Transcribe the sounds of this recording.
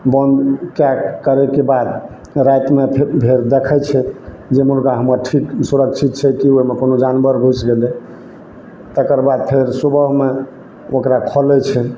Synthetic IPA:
bənd̪kjakəɾɛkebad̪ | ɾat̪mebʱeɾd̪ekʰɛt͡ʃʰɛ | d͡ʒemuɾɡaɦəməɾʈʰiksuɾəkt͡ʃʰit̪̚t͡ʃʰɛkioɦimekonod͡ʒanbəɾɡʱut͡ʃɡele | t̪əkəɾbad̪̚pʰeɾsubəɦme | okɾakʰɔlɛt͡ʃʰɛ

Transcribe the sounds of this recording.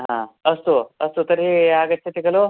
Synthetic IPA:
ɦãəst̪oəst̪ot̪əɾɦiaɡət̪ːt͡ɕʰet̪ikəlo

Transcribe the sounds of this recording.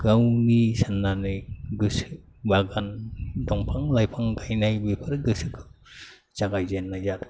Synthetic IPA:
ɡ̥awnisanːanɯɡɯsɯ | baɡandɔŋpʰaŋlajpʰaŋɡajnajbepʰɯɾɡɯsɯkʰɯ | t͡ʃaɡajzenːajzat

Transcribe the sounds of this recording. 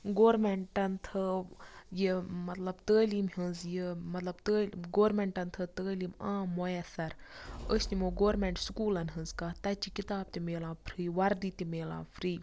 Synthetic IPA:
ɡoːɾmeɳʈɐnt̪ʰə | jimɐt̪lɐbt̪əːliːmɦənzjimɐt̪lɐbt̪əːɡoːɾmeɳʈɐnt̪ʰət̪əːliːmãːmojɐsɐɾəsnimoːɡoːɾmeɳʈsukuːlɐnɦə̃nzkɐːt̪ɐt͡ʃikit̪aːb̚t̪imeːlãːpʰɾiːʋɐɾd̪it̪imeːla̰ːpʰɾiː

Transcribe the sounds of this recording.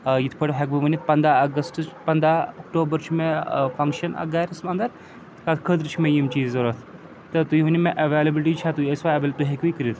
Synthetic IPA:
jit̪ʰpʰəɽɦekbɐʋɐnit̪̚ʰpɐnd̪aɐɡəsʈɨt͡ʃpɐnd̪aɔkʈoːbəɾt͡ʃʰmefɐŋkʃɐnɐ̰ɡaɾɐsmɐnd̪ɐɾ | kat̪ʰkʰəd̪ɾɨt͡ʃʰimejimt͡ʃiːzɐɾɐt̪ʰ | t̪ət̪uiʋunimeʔɐʋelɐbilʈit͡ʃʰat̪uiesʋaɐbelt̪uɦekʋikəɾit̪ʰ

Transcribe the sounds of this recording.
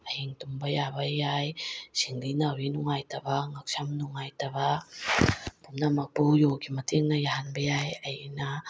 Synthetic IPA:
ajiŋtumbajaβajajsiŋlinawinuŋajtabaŋak̚samnuŋajtaβa | pumnamak̚puwjokimatʰiŋnajaɦanbajajajina

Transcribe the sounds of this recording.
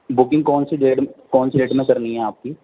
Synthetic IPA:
bʊkɪ̃ŋɡkɔːnsiɖeːʈkɔːnsiɖeːʈmẽkɐɾniɦɛ̃aːp̚kiː

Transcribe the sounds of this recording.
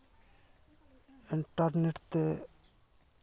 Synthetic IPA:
ɪɳʈaɾneʈt̪e

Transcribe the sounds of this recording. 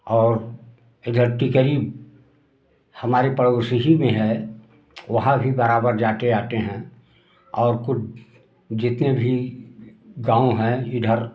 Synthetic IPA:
ɔːɾ | ɪd̪ʱəɾʈ̪ikəɾiːb | hɐmaːɾepəɽosiɦimẽɦɛ | ʋɐɦãbʱibəɾaːbəɾd͡ʒaːt̪eaːt̪eɦɛ̃ | ɔːɾkʊt͡ʃʰ | d͡ʒɪt̪nebʱi | ɡãːõɦɛ̃iɖʱəɾ

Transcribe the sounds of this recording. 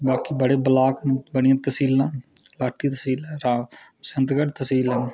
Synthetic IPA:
baːkibəɽeːbəlaːknebəɽɪjãːt̪əsiːlãː | laːʈːiːt̪əsiːlãːɾaː | sənt̪ɡəɖt̪əsiːləːn

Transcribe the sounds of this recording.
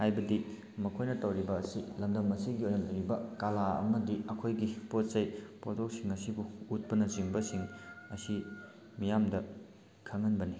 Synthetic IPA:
hajbɐdi | mɐkʰojnɐtɐwɾibɐːsilɐmdɐmɐsiɡiojnɐlɐjɾibɐkalaɐ̰mɐdiɐkʰojɡipot̚sɐjpotʰok̚siŋɐsibuut̚pɐnɐt͡ʃiŋbɐsiŋɐsi | mijamdɐ | kʰɐŋɐnbɐni

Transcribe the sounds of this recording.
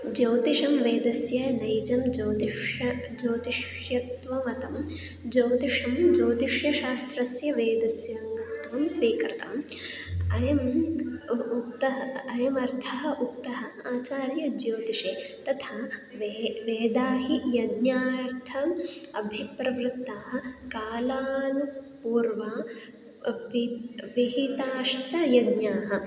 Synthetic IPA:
d͡ʒɐwt̪iʂɐmʋeːd̪ɐsjɐnɐjd͡ʒɐmd͡ʒɐwt̪iʂɐ | d͡ʒɐːt̪iʂ | jɐt̪ʋɐmɐt̪ɐm | d͡ʒɐwt̪iʂɐmd͡ʒɐːt̪iʂjɐʃaːst̪ɾɐsjɐʋeːd̪ɐsjɐŋɡɐt̪ʋɐmsʋiːkɾɪt̪ɐ̰m | ɐjɐm | uk̚t̪ɐɦɐɐjɐmɐɾt̪ʰɐɦɐ̆ʔukt̪ɐɦɐaːt͡ʃaːɾjɐd͡ʒjoːd̪iʂeːt̪ɐt̪ʰaʋʋeːd̪aːɦijɐd̪njaːɾt̪ʰɐɐbʱipɾɐʋɾɪt̪ːaːɦɐ̆kaːlaːnupuːɾʋa | ʋiʋiɦit̪aːʂʈɐjɐd̪ɲjaːɦɐ̆

